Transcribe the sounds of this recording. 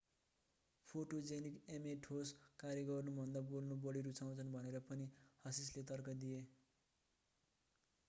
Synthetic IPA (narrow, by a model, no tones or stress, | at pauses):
pʰoʈod͡zenikemeʈʰoskaɾjʌɡʌrnubʱʌnd̪abolnubʌɽiɾut͡sʰaw̃t͡sʰʌnbʱʌneɾʌpʌnihʌsislet̪ʌrkʌd̪ie